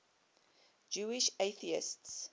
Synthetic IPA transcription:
d͡ʒuːɪʃeθiɪ̰sts

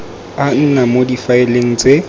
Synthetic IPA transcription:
an̩namodifaɪleŋ̩t͡sʼe

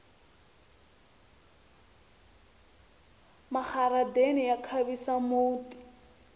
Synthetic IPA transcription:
maχaɾadenɪjakʰaβisamoːti̥

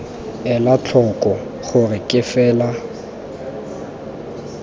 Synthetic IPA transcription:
ɛlat͡ɬʰɔkʼɔ | χʊrɪkʼɪfɛːla

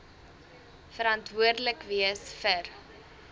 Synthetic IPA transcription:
fəɾɐntvuərdləkviəsfər

